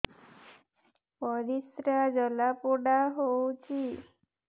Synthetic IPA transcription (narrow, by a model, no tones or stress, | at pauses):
pɔɾisɾad͡ʒəlapoɽaɦowt͡ʃʰi